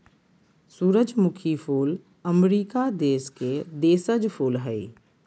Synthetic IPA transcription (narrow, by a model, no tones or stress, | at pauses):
suːɾəd͡ʒmʊkʰifʰoːl | əmɾiːkad̪eːsked̪eːsəd͡ʒfʰoːlɦɛi